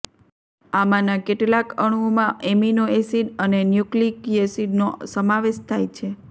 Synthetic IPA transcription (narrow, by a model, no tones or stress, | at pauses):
amãnakeʈlakəɽ̃omãeminoesiɖənenjuklikiesiɖnosəmaʋeʃt̪ʰajt͡ʃʰe